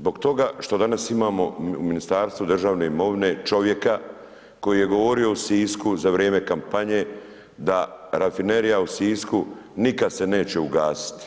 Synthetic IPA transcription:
zbo̞ɡt̪o̞ɡaʃt̪o̞d̪anasimaːmo̞ṵminist̪aːɾst̪ʋud̪r̩ʒaːʋne̞imo̞ʋine̞t͡ʃo̞ʋje̞ka | ko̞jije̞ɡo̞ʋo̞ɾio̞usiːskuzaʋɾjeːme̞kampaɲe̞ | d̪aɾafine̞ɾijausiːskunikad̪se̞ne̞ːt͡ɕe̞uɡaːsi̥t̪i̥

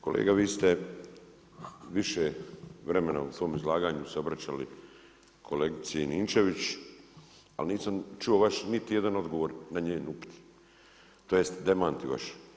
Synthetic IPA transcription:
ko̞lḛːɡaʋiːst̪e | ʋiʃeʋɾemena̰usʋo̞ːmizlaːɡaːɲuseo̞bɾat͡ɕalḭ | kʰo̞leɡit̪sieiniːnt͡ʃeʋit͡ɕ | a̰lniːsamt͡ʃuoʋaʃnit̪ijed̪ano̞d̪ɡo̞ʋo̞ːɾnaɲeːnupi̥t̪ʰi̥ | t̪o̞jest̪d̪e̞maːnt̪iʋa̰ʃ

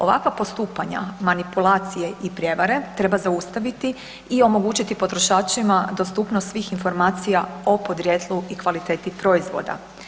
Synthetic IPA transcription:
o̞ʋa̰kʋapo̞st̪uːpaɲa̰manipulˠaːt̪sije̞ʔipɾje̞ʋaɾe̞t̪ɾe̞bazaust̪aʋit̪i | io̞mo̞ɡuːt͡ɕit̪ipo̞t̪ɾoʃaːt͡ʃimad̪o̞st̪uːpnost̪sʋiːxinfo̞ɾmaːt̪sijao̞po̞d̪ɾjet̪ʰluikʋalit̪e̞ːt̪ipɾo̞izʋo̰d̪a̰

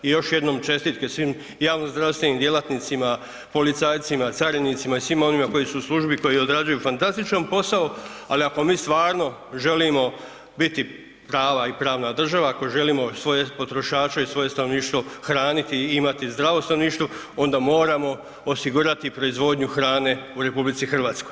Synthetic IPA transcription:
ijo̞ʃje̞d̪no̞mt͡ʃe̞st̪iːt̪kesʋim | jaːʋnozd̪ɾaʋst̪ʋe̞nimd̪je̞lˠat̪nit̪sima | po̞lit̪saːjt̪simat̪saɾinit̪simaisʋimo̞nimako̞jisuslˠuʒbiko̞jiod̪ɾad͡ʑujufant̪ast̪it͡ʃnompo̞saualiako̞miːst̪ʋaːɾno̞ | ʒe̞liːmo̞ | bit̪i | pɾaːʋaipɾaːʋnad̪r̩ʒaʋaːko̞ʒe̞liːmo̞sʋo̞jepo̞t̪ɾo̞ʃaːt͡ʃaisʋo̞je̞st̪ano̞ʋniːʃt̪ʋoxɾaːnit̪iimat̪izd̪ɾaʋo̞sanoniːʃt̪ʋo | o̞nd̪amo̞ːɾamo̞ | osiɡuːɾat̪ipɾo̞izʋo̞d̪ɲuxɾaːne̞uɾe̞publit̪sixr̩ʋaːt̪sko̞j

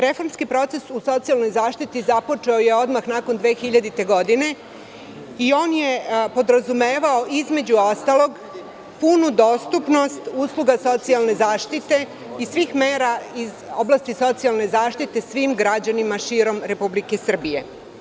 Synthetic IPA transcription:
ɾe̞fo̞ɾmskipɾo̞t̪sesuso̞t̪sialˠno̞jzaːʃt̪it̪izapo̞t͡ʂeoje̞o̞d̪maxnako̞nd̪ʋe̞ːxiʎad̪it̪e̞ɡo̞d̪ine̞ | io̞ːnje̞po̞d̪ɾazume̞ːʋao̞ʔizme̞d͡ʑuost̪alˠo̞ɡ | punud̪o̞st̪upno̞st̪uːslˠuɡaso̞t̪sialˠne̞zaːʃt̪it̪e̞ | isʋiːxme̞ːɾaizo̞blast̪iso̞t̪sialˠne̞zaːʃt̪it̪e̞sʋiːmɡɾad͡ʑanimaʃiːɾo̞mɾe̞publike̞sr̩bije̞

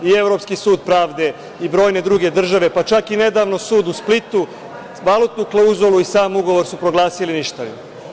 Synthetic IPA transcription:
ie̞vɾo̞pskisuːd̪pɾaːʋd̪e̞ | ibɾo̞ːjne̞d̪ɾuɡe̞d̪r̩ʒaʋe̞pat͡ʃakine̞d̪aːʋno̞suːd̪usplit̪u | ʋalˠut̪nuklˠauzolˠuisaːmuɡo̞ʋo̞ɾsupɾo̞ɡlaːsiliniʃt̪aʋḭm

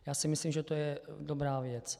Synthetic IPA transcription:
jaːsɪmɪslimʒɛt̪ojɛdobɾaːvjɛt͡s

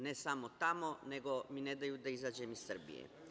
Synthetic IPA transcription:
nɛsamot̪amoneɡominɛd̪ajud̪aizad͡ʒemisːər̩bḭjḛ

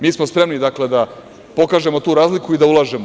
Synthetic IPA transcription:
miːsmospɾe̞mnid̪akle̞d̪a | po̞kaːʒe̞mot̪uːɾaːzlikuid̪aulaːʒe̞mo

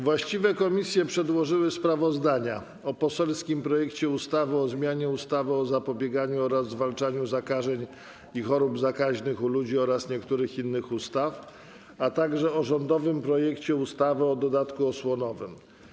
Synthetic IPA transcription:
vwaɕt͡ɕivɛkɔmʲisʲjɛpʂɛd̪wɔʐɘwɘspɾavɔzd̪aɲa | ɔpɔsɛlskʲimpɾɔjɛkt͡ɕɛust̪avɘɔzmʲjaɲɛust̪avɘɔzapɔbʲjɛɡaɲuɔɾazzvalt͡ʂaɲuzakaʐɛɲ | ixɔɾubzakaʑnɘxulud͡ʑiɔɾasɲɛkt̪uɾɘxinːɘxust̪af | at̪aɡʐɛɔʐɔnd̪ɔvɘmpɾɔjɛkt͡ɕɛust̪avɛɔd̪ɔd̪at̪kuɔswɔnɔvɘm

